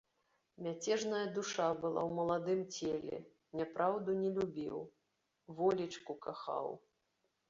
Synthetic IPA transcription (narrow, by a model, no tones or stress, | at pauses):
mʲat͡sʲɛʐnɐjɐd̪uʂabɨlˠa̰wmɐlˠad̪ɨmt͡sʲelʲɛ̰ | nʲapɾʔawd̪unʲɛlʲubʲḭw | vɔlʲit͡ʂkukaxa̰w